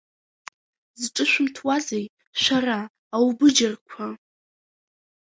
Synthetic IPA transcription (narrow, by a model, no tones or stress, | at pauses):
zʈ͡ʂʼɨʃʷᶣʊmtʰwazej | ʃʷaraː | wbɨd͡ʒarkʷʰa